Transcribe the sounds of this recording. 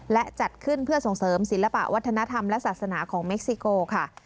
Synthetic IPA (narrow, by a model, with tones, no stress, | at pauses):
lɛ˦˥ʔt͡ɕa˨˩t̪̚kʰɯ˥˩npʰɯ˥˩ɐso˨˩ŋsɤː˩˦msi˨˩˦nla˧pa̰˨˩ʔwa˦˥t̪ʰːa˧na˦˥t̪ʰa˧mlɛ˦˥saː˨˩t̪̚sa˧naː˩˦kʰɔː˩˦ŋme˦˥k̚si˧koː˧kʰa˥˩